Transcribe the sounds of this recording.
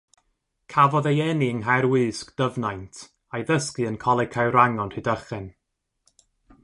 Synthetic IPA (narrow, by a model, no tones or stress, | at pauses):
kʰavɔðejɛniəŋɦaɾwɨːskd̥əvnajntʰ | ajðəskɨənkʰɔlˠɛkʰawɾaŋɔnhɨdəχɨn